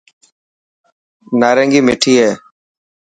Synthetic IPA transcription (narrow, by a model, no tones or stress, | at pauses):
naːɾə̃ːŋɡiːmeːʈʰiːɦɛː